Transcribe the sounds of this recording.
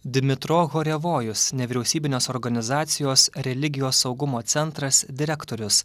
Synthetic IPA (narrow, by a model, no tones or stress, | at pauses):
d̪ʲmʲɪt̪ɾoːɣoːɾʲɛʋoːjʊsnʲɛʋʲiːɾʲɛʊsʲiːbʲɪnʲoːsɔːɾɡɐnʲɪzɑːt̪sʲɪjoːsɾʲɛlʲɪɡʲɪjoːsːɒʊɡʊmoːt̪sʲɛnˑt̪ɾɐsd̪ʲɪɾʲɛkt̪oːɾʲʊs